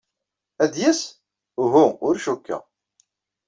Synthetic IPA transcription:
æd̪jæs | ʊɦuʊɾʃukːæ̰

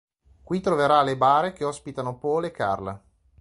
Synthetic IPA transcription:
kwit̪ɾoveɾalebaːɾek̟eɔspit̪anopɔːleːkːa̰rla̰

